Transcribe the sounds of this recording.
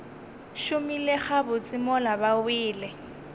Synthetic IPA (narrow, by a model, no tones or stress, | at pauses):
ʃʊmilɪχabʊt͡sʼɪmɔlabawɪːlɪ